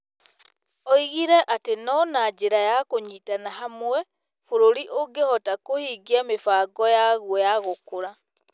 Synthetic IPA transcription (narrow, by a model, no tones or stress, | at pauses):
ɔiɣiɾɛʔatenɔnad͡ʒeɾajakoɲitanaɦamwɛ | fuɾoɾiʔoɡehɔtakohiɡiamefaɡɔjaɣwɔjaɣokoɾa